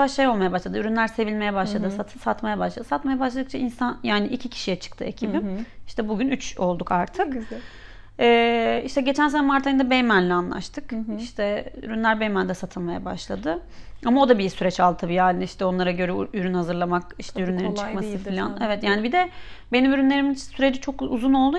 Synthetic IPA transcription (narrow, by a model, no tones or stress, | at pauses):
aʃajo̞lˠmajabaʃlˠad̪yɾynlʲæɾse̞vilʲme̞jɛbaʃlˠad̪ɯsat̪ʰɯsat̪majabaʃlˠad̪ɯsat̪majabaʃlˠad̪ɯk̚t͡ʃʰainsanjaːniʔicʰicʰi̥ʃijɛt͡ʃʰɯ̥kt̪ʰɯ̰e̞cʰibimiʃt̪ʰɛbuɟynyt͡ʃo̞lˠd̪ukaɾt̪ʰɯk | ɛːiʃt̪ɛɟet͡ʃʰæns̬e̞nɛmaɾt̪ʰajɯnd̪abejmænlʲɛanlˠa̰ʃt̪ʰɯkiʃt̪ʰɛy̰ɾynʲæɾbejmænʲd̪ɛsat̪ʰɯlˠmaja̰ba̰ʃlˠad̪ɯamao̞d̪abisyɾɛt͡ʃalˠd̪t̪ʰabijaːniiʃt̪ʰɛo̞nlˠaɾaɟø̞ɾɛyɾynhazɯɾlˠamakiʃt̪ɛyɾynlʲe̞ɾint͡ʃɯkmasɯfilʲanɛvɛt̪jaːnibid̪ɛbe̞nimyɾynlʲe̞ɾiminsyɾe̞d͡ʒit͡ʃʰo̞kuzuno̞lˠd̪u